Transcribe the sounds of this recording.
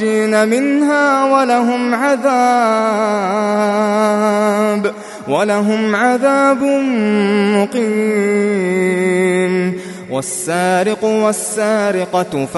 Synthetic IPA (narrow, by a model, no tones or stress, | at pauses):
iːnamɪnhaːwalaɦʊmʕaðaː | b | walaɦʊmʕaðaːbʊ | mʊqiː | n | wasːaːɾɪqʊwasːaːɾɪqɑf